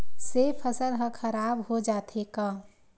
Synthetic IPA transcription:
sepʰəsəlɦə̃kʰəɾaːbɦod͡ʒaːt̪ʰekaː

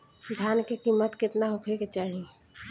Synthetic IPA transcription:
d̪ʱjaːnkekimːət̪kɪt̪naɦokʰeket͡ʃaːɦi

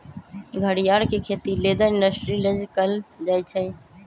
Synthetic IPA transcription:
ɡʱəɽijaːɽkekʰeːt̪ileːd̪əɪ̃ɳɖəsʈɾiləd͡ʒkəld͡ʒaːjt͡ʃʰə

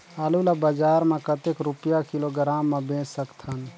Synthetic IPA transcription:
aːlulabəd͡ʒaːɾmẽkət̪ekɾʊpjakɪloɡɾaːmːẽbẽːt͡ʃsəkt̪ʰən

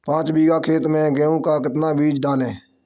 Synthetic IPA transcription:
pãːt͡ʃbiːɡaːkʰeːt̪mẽːɡeːũːkaːkət̪nãːbiːd͡ʒɖaːlẽː

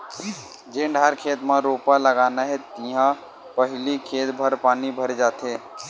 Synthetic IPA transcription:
d͡ʒẽːɳɖʱaːɾkʰeːt̪mãɾoːpaləɡaːnaɦɛt̪ĩɦã | pəɦɪlikʰeːt̪bʱəɾpaːnibʱəɾed͡ʒaːt̪eː

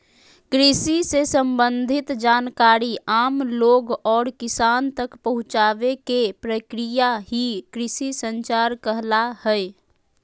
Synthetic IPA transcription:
kɾisisesə̃mbənd̪ʱit̪d͡ʒaːnkaɾiaːmloɡɔːɾkisaːnt̪əkpəɦʊ̃t͡ʃaʋekepɾəkɾijaɦikɾisisənt͡ʃaɾkəɦlahɛj

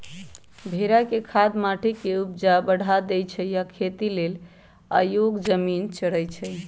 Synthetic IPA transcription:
bʱeɾakekʰad̪maʈʰekeup̚d͡ʒabəɽ̤ʱad̪ɛjt͡ʃʰəjakʰet̪ilel | a̰joɡd͡ʒəmint͡ʃəɽəjt͡ʃʰəj

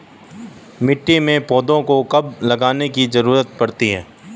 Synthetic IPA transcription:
mɪʈːimẽpɔːd̪õkokɐblɐɡaːnekizɐɾuːɾət̪̚pɐɾt̪iɦɛ̰̃ː

